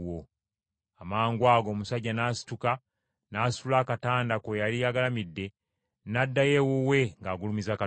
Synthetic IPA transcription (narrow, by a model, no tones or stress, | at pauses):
wo | amaːŋɡwaːɡo̞ːmusaɟːanaːsi̥tuka | naːsuulaːkataːndakojaliaɡalamidːe̞ | nadːaje̞wowe̞ŋɡaːɡulumizaka